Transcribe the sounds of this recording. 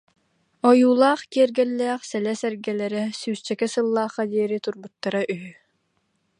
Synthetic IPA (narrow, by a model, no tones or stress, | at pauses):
ɔjuːlˠaːχkiɛɾɡɛlːɛːχsɛlɛsɛɾɡɛlɛɾɛsyːst͡ɕɛkɛsɯlˠːaːχːad̪iɛɾit̪uɾbut̪ːaɾaʔyɦy